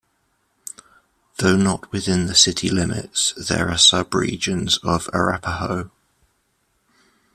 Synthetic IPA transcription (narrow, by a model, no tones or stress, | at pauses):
ðəʊnəʔwɪðɪ̃nðəsɪtʰilɪmɪ̰tsðə̰ɹəsʌbɹḭːd͡ʒə̃nzəvə̰ɹa̰pʰəɦəʊ